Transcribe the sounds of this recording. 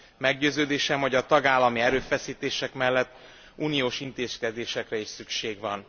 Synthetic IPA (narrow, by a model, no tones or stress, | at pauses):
mɛɡɟøːzøːd̪eːʃɛmho̞ɟɒt̪ɒɡaːlːɒmiɛɾøːfɛsiːt̪eːʃɛkmɛlːɛt̪ː | uːnijoːʃint̪eːskɛd̪eːʃɛkrɛiʃsykʃeːɡʋɒn